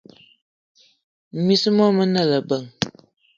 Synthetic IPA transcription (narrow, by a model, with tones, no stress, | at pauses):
mi˦smɔ˦mə˦nə˦˨lə˨bə˨ŋ